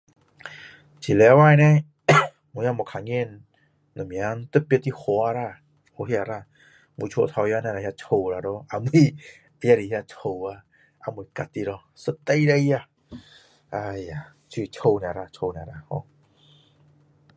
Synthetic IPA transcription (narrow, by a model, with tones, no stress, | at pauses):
t͡ɕʰi˨lɛ˨˧˦waː˧˨jnɛ˧ | mu˨˦ja˧˨mɔ˨kʰa˨ŋe˧˨nː | ɔ˨mi˨a˦nt̪ə˦˧˦pi˧˦t̪i˧hɔ˧˦a˧ɾa˧˨ | o˧˦hi˧a˨ɾa˧˨˧ | mu˧˦t͡ʃʰo˧t̪ʰa˧wja˧˦na˧˨ɾa˨ja˧t͡ɕʰo˧wɾa˨dɔ˧˦ʔa˧˨mɨ˧ | a˧ja˧˨ɾi˨ja˧tʰo˧wa˧ | ʔa˧˨mɯ˨˧˨ka˨t̪i˧˨ɾɔ˧ | sə˧t̪a˧jda˧jja˧ | ʔa˧ja˨ | t͡ɕʰi˧˨t͡ʃʰo˧wnɛ˨ɾa˧˨t͡ɕʰo˧na˨ɾa˧˨hɔ̰˧